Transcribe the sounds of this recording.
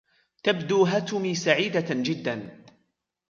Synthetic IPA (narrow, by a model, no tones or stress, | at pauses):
t̪abd̪uːɦat̪ʊmiːsaʕiːd̪ad͡ʒɪd̪ːan